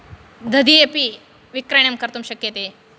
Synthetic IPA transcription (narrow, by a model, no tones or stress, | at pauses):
d̪ɐd̪iepi | ʋikɾɐɳ̃jɐmkɐɾt̪umɕɐkjɐt̪e